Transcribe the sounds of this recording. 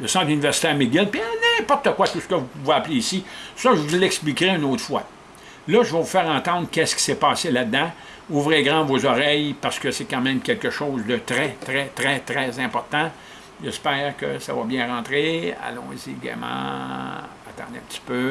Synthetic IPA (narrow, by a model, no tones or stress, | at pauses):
ləsɑ̃ːt̪lynivɛʁsi̥t̪ɛːʁmeɡʲɪlpianɛ̃pɔʁt̪əkwat̪usə̥kəvupuveapleːsisɔʒvulːɛksplikʁeynoːt̪ʁfwa̰ | lʌʒəvɔvufɛːʁɑ̃ːt̪ɑ̃d̪ʁkʲɛskʲi̥sepɑːselad̪ːã | uːvʁeɡʁɑ̃vozɔʁɛjpaʁsə̥kəsɛkɑ̃ːmɛ̃mkʲɛlkəʃoːzd̪ət̪ʁɛt̪ʁɛt̪ʁɛt̪ʁɛzɛ̃pɔʁt̪ã | ʒɛspɛːʁkə̰sa̰vɔbjɛ̃ʁɑ̃ːt̪ʁea̰lɔ̰̃ːziɡɛ̰mɑ̰̃ | at̪ɑ̰̃d̪ɛ̰̃p̚ət͡si̥pø